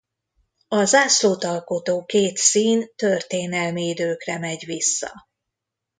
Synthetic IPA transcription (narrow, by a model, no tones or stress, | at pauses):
ɒzaːsloːt̪ɒlko̞t̪oːkeːt̪siːnt̪ørt̪eːnɛlmiːd̪øːkrɛmɛɟʋisːɒ̰